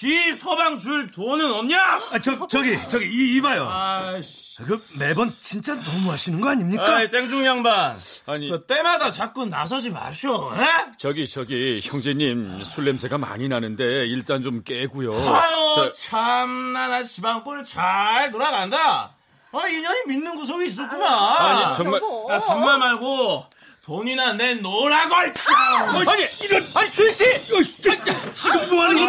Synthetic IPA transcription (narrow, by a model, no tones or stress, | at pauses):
kisʰʌbaŋt͡ɕuɭtonɯnʌmɲat͡ɕʌt͡ɕʌɡit͡ɕʌɡiiːbajoa | kɯme̞bʌnt͡ɕint͡ɕ͈anʌmuɦaɕʰinɯnɡʌaɲimɲikaat͈eŋd͡ʑuŋjaŋbanaɲikɯt͈e̞madat͡ɕak͈ɯnːa̰s̬ʰʌd͡ʑima̰ɕʰoet͡ɕʌɡit͡ɕʌɡiçjʌŋd͡ʑeɲimsʰuɭːemsʰeɡama̰ɲinanɯnde̞iɭt͈ant͡ɕomk͈eɡujoajot͡ɕʰamnanaɕibaŋk͈ɯɯɭt͡ɕaɭtoɾaɡannda | aiɲʌɲiminːɯnɡus̬ʰʌɡiːs̬͈ʌk͈unaaɲiʌŋmakat͡ɕʌŋmamaɭɡo | toɲinanenoɾaɡoɦaɭt͡ɕʰiaɲiiɾʌnaisʰese | iɡɯoanɯɡʌ